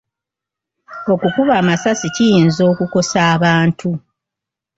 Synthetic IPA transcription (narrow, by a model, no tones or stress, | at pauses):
o̞kukuβaːmasasicijiːnzo̞ːkuko̞saːβaːntʰu